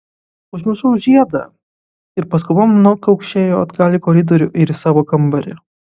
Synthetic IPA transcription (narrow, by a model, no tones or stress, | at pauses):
ʊʒmʲɪsʊʒʲiɛd̪ɐ̰ | ɪɾpɐskʊmɐmnɐʊkɐʊkʃʲeːjoːɐd̪ɡɑːlʲɪkoːɾʲɪd̪oːɾʲʊʔɪɾɪsɑːʋoːkɐmbɐɾʲɪ